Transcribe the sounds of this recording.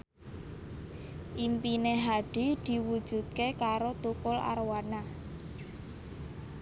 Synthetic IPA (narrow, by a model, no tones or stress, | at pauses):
ʔimpineɦaɖ̥i̤d̪̥i̤wud̥ʒ̥ṳd̪̚kekaɾot̪ukʊla̰rwana